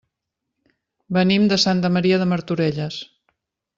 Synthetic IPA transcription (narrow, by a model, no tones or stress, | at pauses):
bənimd̪əsant̪əməɾiəðəməɾt̪uɾɛʎəs